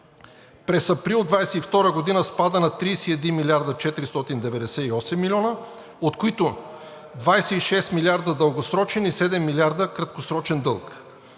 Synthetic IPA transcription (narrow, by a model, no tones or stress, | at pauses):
pɾɛsɐpɾilˠd̪vajsɛift̪ɔɾəɡod̪inəspad̪ənɐt̪ɾijsiɛd̪inmilʲiaɾd̪ət͡ʃɛt̪iɾist̪ɔt̪ind̪ɛvɛd̪ɛsɛiɔsɛmːilʲɔnə | ot̪koit̪o | d̪vajsɛiʃɛst̪milʲaɾd̪əd̪əlˠɡosɾɔt͡ʃɛnisɛd̪ɛmːilʲiaɾd̪əkɾɐt̪kosɾɔt͡ʃɛnd̪ɤlˠk